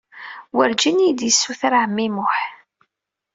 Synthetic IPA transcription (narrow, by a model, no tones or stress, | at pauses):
wəɾd͡ʒinid̪jəsːuθɾaʕəmːimʊħ